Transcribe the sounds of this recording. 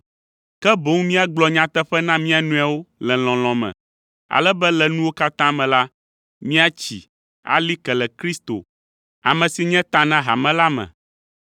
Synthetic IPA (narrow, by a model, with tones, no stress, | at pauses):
kɛ˦bo˨˦ŋmĩ˦a˨ɡ͡blɔ˨ɲã˦t̪ɛ˦ɸɛ˦nã˦mĩ˦a˨nũ˦a˨wo˦lɛ̃˨lɔ̃˨l̃ɔ̃˨mɛ̰̃˨ | a̰˨lɛ˦bɛ˦lɛ˨nũ˦wo˦ka˦t̪ã˦mɛ̃˨la˦ | mĩ˦a˦t͡ɕḭ˨ | a̰˨li˦kɛ˨lɛ˨kɾi˦st̪o̰˨ | a̰˨mɛ̃˨si˨ɲɛ̃˦t̪ã˦nã˦ɦa̰˨mɛ̃˦la˦mɛ̰̃˨